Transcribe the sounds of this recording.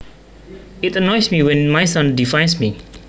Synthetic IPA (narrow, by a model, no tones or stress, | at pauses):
itənɔjsmiwɛ̃nmajsãndifãjnsmi